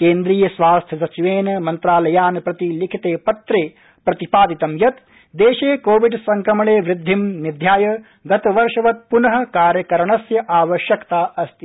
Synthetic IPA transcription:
keːnd̪ɾiːjɐsʋaːst̪ʰjɐsɐt͡ʃiʋeːnmɐnt̪ɾaːlɐjaːnpɾɐt̪ilikʰit̪eːpɐt̪ɾeː | pɾɐt̪ipaːd̪it̪ɐmjɐt̪ | d̪eːʃeːkoːʋiɖsɐŋkɾɐmɐɭeːʋɾɪd̪ʱːimnid̪ʱjaːjɐ | ɡɐt̪ɐʋɐɾʂɐʋɐt̪̚punɐɦɐ̆kaːɾjɐkɐɾɐɳɐsjɐʔaːʋɐʃjɐkt̪aːʔɐst̪i

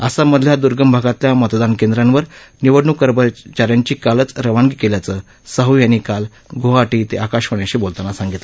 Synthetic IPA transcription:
əsaməd̪ʱljad̪uɾɡəmbʱaɡat̪ljamət̪d̪ankend̪ɾanʋəɾniʋəɖɳukəɾbət͡ɕaɾjaɲt͡ɕiːkalət͡sɾəʋaŋɡikeljat͡sə | səɦujanikal | ɡʱoaʈiːt̪eʔakaɕʋəɳjaɕiːbolt̪anasãŋɡit̪lə

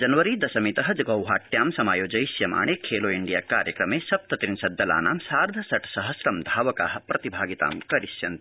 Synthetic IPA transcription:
d͡ʒɐnɐʋɐɾid̪ɐsɐmit̪ɐɦɐd͡ʒɐɡɐwɦaːʈjaːmsɐmaːjoːd͡ʒɐjsjɐma̰ːɳeːkʰeːloːiɳɖijaːkaːɾjɐkɾɐmeːsɐp̚t̪ɐt̪ɾinsɐd̪ːɐla̰ːna̰ːmsaːɾd̪ʱɐsɐʈsɐɦɐsɾɐmd̪ʱaːʋɐka̰ːɦɐ̆pɾɐt̪ibʱaːɡit̪a̰ːmkɐɾisjɐnt̪

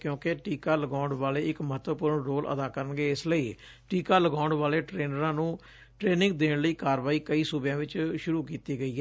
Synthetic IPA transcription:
kjõːkeʈiːkaːləɡãːɳɖʋaːleːɪkməɦət̪ʋəpʊɾəɳɾoːlʔə̰d̪aːkəɾənɡeːɪsləiː | ʈiːkaːləɡãːɳɖʋaːleːʈɾeːnəɾãːnũː | ʈɾeːnɪ̃ŋɡ̚d̪eːɳləiːkaːɾʋaːiːkəiːsʊbjãːʋɪt͡ʃʃʊɾuːkiːt̪iːɡəiːɦɛː

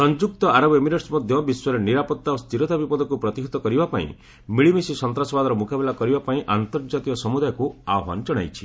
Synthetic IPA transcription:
sɔnd͡ʒuk̚t̪ɔaɾɔbemiɾeʈsmɔd̪ʱjɔbiswɔɾeniɾapɔt̪ːaost̪iɾɔt̪abipɔd̪ʱɔkupɾɔt̪iɦit̪ɔkɔɾibapaḭ̃ | miɭimesisɔnt̪ɾasɔbad̪ɔɾɔmukabɛlakɔɾibapaĩʔant̪ɔɾd͡ʒat̪iɔsɔmud̪ajɔkuaɔba̰nɔd͡ʒɔɽ̃a̰jt͡ʃʰi

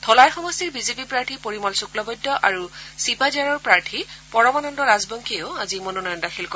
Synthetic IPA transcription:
tʰɔlajxɔmɔstiɹbizepipɹaɹʈʰipoɹimɔlsuklɔbɔjdːɔʔaɹusipazaɹɔɹpɹaɹʈʰipɔɹɔmanɔndɔɹazbɔŋkʰioʊazimononɔjɔndaxʰilkɔ

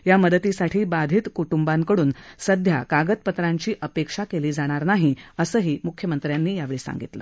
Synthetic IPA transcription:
jaməd̪ət̪isaʈʰiːbad̪ʱiːt̪kuʈumbaŋkəɽuːnsəd̪ʱjakaɡət̪̚pət̪ɾaɲt͡ɕiːʔəpekʂakeliːd͡zaɽ̃aɾnaɦiəsəːɦiːmukʰjəmənt̪ɾjanːiːjaʋeɭiːsa̰ŋɡḭt̪lə̰

